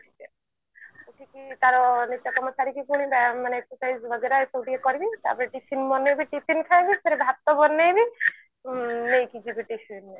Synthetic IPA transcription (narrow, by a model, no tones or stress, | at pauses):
ʈʰi̥ke | ukʰikik̪aɾɔnitːakɔmɔt͡ʃaɾikikuɽ̃ibamaneeksɔsajzbʱəɡeɾasɔwʈikekɔɾibit̪a̰pɔɾeʈipʰinbɔnːejbiʈipʰinkʰajbipʰeɾebʱap̚t̪ɔbɔnːejbi | nejkid͡ʒibiʈipʰine